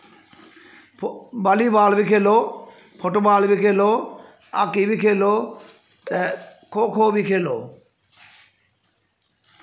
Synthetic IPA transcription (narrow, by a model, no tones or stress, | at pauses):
balibaːlbikʰelo | pʰoʈobaːlbikʰelo | a̰kibikʰelo | t̪ɛkʰokʰobikʰelo